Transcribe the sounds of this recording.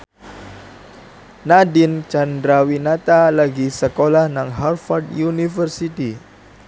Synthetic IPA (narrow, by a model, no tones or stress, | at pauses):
nadint͡ʃandɾawinat̪alaɡisəkolahnaŋɦarfɔrdjunifərsit̪i